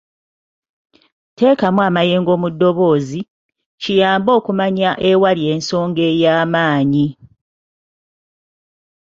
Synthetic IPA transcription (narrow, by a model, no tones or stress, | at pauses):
te̞ːkamwaːmaje̞ːŋɡo̞ːmudːo̞βo̞ːzi | cijaːmbo̞ːkumaɲaʔe̞walje̞ːnso̞ːŋɡe̞jaːmaːɲi